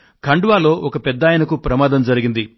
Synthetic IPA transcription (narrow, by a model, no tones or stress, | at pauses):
kʰɐɳɖuʋaːlo̞ːʔɔkɐpɛd̪ːaːjɐnɐkupɾɐmaːd̪ɐmd͡ʒɐɾiɡind̪i